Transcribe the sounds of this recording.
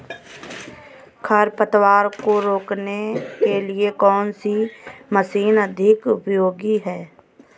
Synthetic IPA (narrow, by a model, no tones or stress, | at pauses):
kʰəɾpət̪waːɾkoɾoːknekeliekɔːnsiməsiːnəd̪ʱɪkʊpjoːɡiɦɛː